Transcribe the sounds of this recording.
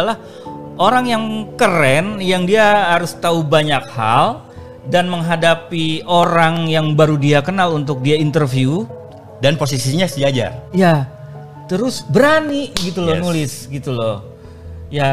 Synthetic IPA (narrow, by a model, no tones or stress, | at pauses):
alah | oɾaŋjaŋkəɾɛnjaŋdiaɦaɾʊst̪aubaɲak̚ha̰l | danməŋɦadapioɾaŋjaŋbaɾudiakənalunt̪̬ʊk̚diaint̪ərfiu | danpos̬isiɲasiad͡ʒa̰ja | t̪əɾʊsbəɾaniɡit̪ulɔnulɪsɡit̪ulɔ | ja